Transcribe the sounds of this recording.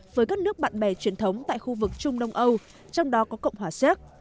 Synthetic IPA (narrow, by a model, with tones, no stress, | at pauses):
vəː˨˦jkaː˦˥k̚nɨ˦˥ək̚ɓa̰ː˧˨nɓɛ˧˩t͡ɕwi˨˩ənt̪ʰə˨˦wŋ͡mt̪a̰ː˧˨jxu˧vɨ˨˩k̚t͡ɕʊ˧ŋ͡mɗə˧wŋ͡mʔə˧w | t͡ɕɔ˧wŋ͡mɗɔ˨˦kɔ˨˦kə̰˧˨wŋ͡mɦwaː˧˩sɛ˦˥t̚